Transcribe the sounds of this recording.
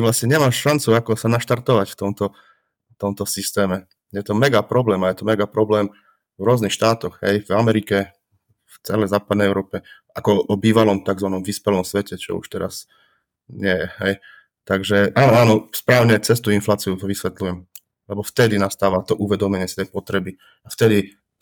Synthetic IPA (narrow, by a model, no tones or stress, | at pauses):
t̪ʋlast̪ɲɛɲɛmaːʃʃant͡suakɔsanaʃt̪aɾt̪ɔʋacft̪ɔmt̪ɔ | t̪ɔmt̪ɔsist̪ɛːmɛ | jɛt̪ɔmɛɡapɾɔblɛːmajɛt̪ɔmɛɡapɾɔblɛːm | vɾʊɔznixʃt̪aːt̪ɔɣɦɛ̰jvamɛɾikɛ | ft͡sɛlɛjzaːpad̪nɛjɛʊɾɔːpɛ | akɔɔbiːʋalɔmt̪aɡzʋanɔmʋispɛlɔmsʋɛcɛt͡ʃɔ̰ṵʃt̪ɛɾas | ɲɛjɛhɛj | t̪aɡʒɛʔaːnɔaːnɔspɾaːʊɲɛt͡sɛst̪uinflaːt͡siut̪ɔʋisʋɛt̪lujɛm | lɛbɔft̪ɛd̪inast̪aːʋat̪ɔʔuʋɛd̪ɔmɛɲɪɛsit̪ɛjpɔt̪ɾɛbi | aft̪ɛd̪i